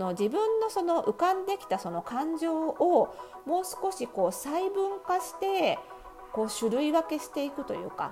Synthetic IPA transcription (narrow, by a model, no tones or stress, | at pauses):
no̞d͡ʑibɯ̟̃nːo̞so̞no̞ʔɯ̟kãnd̪e̞kʲi̥t̪aso̞no̞kãɲ̟d͡ʑo̞ːo | mo̞ːsɨ̥ko̞ɕiko̞ːsaibɯ̟̃ŋkaɕi̥t̪e̞ | ko̞ːɕɨɾɯ̟iβake̞ɕi̥t̪e̞ikɯ̟t̪o̞̰jɯ̟̰ːka̰